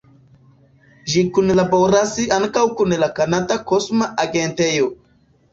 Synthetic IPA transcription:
ʒikunlaboɾasiʔaŋkawkunlakanad̪akosmaʔaɡentejo

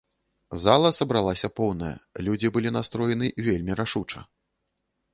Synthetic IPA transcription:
zalˠɐsɐbɾalˠasʲɐpɔwnɐjɐ̰lʲud͡zʲibɨlʲinast̪ɾɔjɛnɨvʲelʲmʲiɾaʂut͡ʂɐ̰

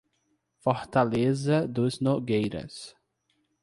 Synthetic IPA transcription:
foɾt̪alezɐd̪ʊznoɡejɾɐ̰s

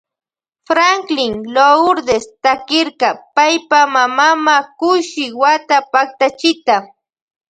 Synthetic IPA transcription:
fɾaŋklɪŋloʊɾd̪est̪akɪɾkapajpamamamakʊʃɪwat̪apak̚t̪at͡ʃɪt̪a

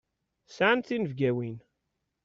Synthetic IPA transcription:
sʕənθinəvɡæwin

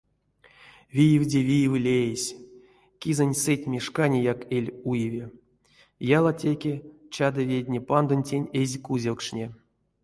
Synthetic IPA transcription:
vʲijevdʲevʲijvlʲejesʲ | kʲizənʲsɨtʲmʲeʂkanʲejakelʲujevʲe | jalˠatʲekʲet͡ɕad̪ɨvʲedʲnʲepand̪onʲtʲenʲezʲkuzʲelkʂnʲe

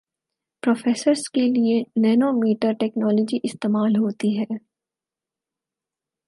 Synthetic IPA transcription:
pɾoːfeːsəɾskelienɛːnomiːʈaɾʈɛːknɔːlɔd͡ʒiʔɪst̪eːmaːlɦoːt̪iɦɛː

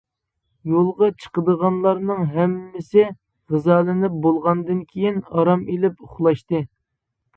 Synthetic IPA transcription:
jolˠʁɑt͡ʃʰə̥qəd̪əʁɑnlˠɑɾnɨŋɦɛmːɪsɪ | ʁɨzɑːlˠɪnɪp̚bolˠʁɑnd̪ɨnkʲʰejinɑɾɑmelɪpʊχlˠɑʃt̪ɨ

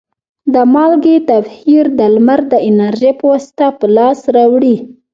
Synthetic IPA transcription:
d̪əmɑlɡet̪afhiɾd̪əlməɾd̪əɪnaɾʒepəwɑst̪apəlɑsɾawɽi

